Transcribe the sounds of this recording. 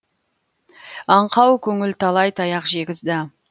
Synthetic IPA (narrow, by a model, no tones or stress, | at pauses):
ɑɴqɑwkʲʰɵŋɪlt̪ʰɑlˠɑjt̪ʰɑjɑqʒe̞ɡʲɪzd̪ɪ